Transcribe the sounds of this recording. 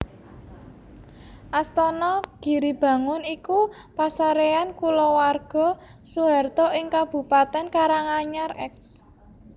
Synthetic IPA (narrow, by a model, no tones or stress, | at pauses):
ʔast̪ɔnɔɡ̥i̤ɾib̥ä̤ŋʊniku | pasaɾeankulɔwarɡ̥ɔ̤ | suɦa̤rt̪ɔʔɪŋkab̥ṳpat̪ɛnkaɾaŋaɲarɛks